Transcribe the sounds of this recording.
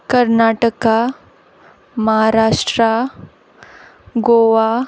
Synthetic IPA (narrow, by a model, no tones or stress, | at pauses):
kəɾnaːʈəka | məɦaɾaːʂʈɾa | ɡoʋa